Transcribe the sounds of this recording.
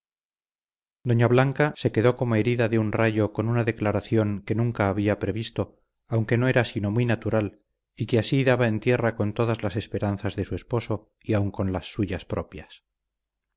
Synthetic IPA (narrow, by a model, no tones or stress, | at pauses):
d̪o̞ɲaβlaŋkase̞ke̞ðo̞ko̞mo̞e̞ɾiðaðeunraʝo̞ko̞nunaðe̞klaɾaθjo̞ŋke̞nũŋkaːβiapɾe̞βist̪o̞ | awŋke̞no̞e̞ɾasino̞mwinat̪uɾal | ikeasiðaβae̞nt̪je̞rako̞nt̪o̞ðazlase̞spe̞ɾanθazðe̞sue̞spo̞so̞ | iauŋko̞nlasːuʝaspɾo̞pjas